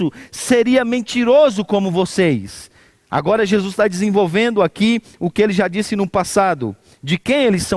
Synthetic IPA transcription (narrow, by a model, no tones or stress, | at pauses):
ʊseɾiɐmẽt͡ʃiɾozʊkõmʊvosejs | a̰ɡɔɾɐʒezust̪ad͡ʒɪzẽvowvẽnd̪ʊaki | ʊkɪelɪʒad͡ʒisɪnʊpasad̪ʊ̰ | d͡ʒɪkẽj̃elɪsːɐ̃